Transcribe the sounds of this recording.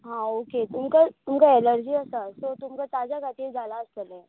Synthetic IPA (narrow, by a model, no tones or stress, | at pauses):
ɦãoːket̪ʊmkat̪ʊmkaeləɾd͡ʒiɛsasot̪ʊmkat̪aːd͡ʒakat̪id͡ʒalaːskəlẽ